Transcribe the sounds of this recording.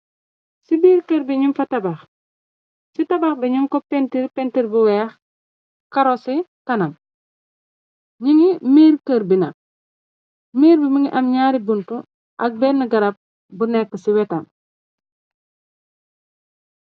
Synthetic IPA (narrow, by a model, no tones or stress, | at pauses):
sibiːɾkəɾbiɲumfɐtɐbax | sitabaxbiɲumkɔpentiɾpɛntiɾbuwɛːx | kaɾosikɐnam | ɲiŋimiːɾkəɾbina̰k̚ | miːɾbimiŋiʔamɲaːɾibuntu | ʔɐk̚bɛnːəɡɐɾap̚ | bunɛkːəsiwɛtam